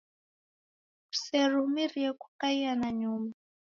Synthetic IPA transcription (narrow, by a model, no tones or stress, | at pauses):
ku̥sɛrumiriɛku̥kaianaɲuma